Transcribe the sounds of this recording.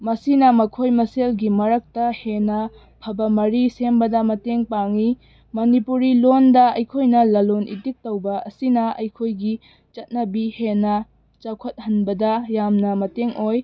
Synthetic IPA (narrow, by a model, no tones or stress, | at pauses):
mɐsinɐmɐkʰojmɐselɡimɐɾɐk̚tɐhenɐ | pʰɐbɐmɐɾisembɐdɐmɐteŋpaŋi | mɐnipuɾilondɐɐjkʰojnɐlɐlonʔḭtik̚tɐwbɐʔɐsinɐɐ̰jkʰojɡi | t͡ʃɐt̚nɐbihenɐ | t͡ʃɐkʰɐt̚hɐnbɐdɐjamnɐmɐteŋʔoj